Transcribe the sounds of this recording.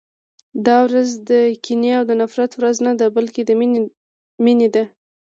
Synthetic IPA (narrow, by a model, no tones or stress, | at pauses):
d̪ɑwɾazd̪əkineawd̪ənafɾat̪wɾaznad̪abalked̪ə | mined̪a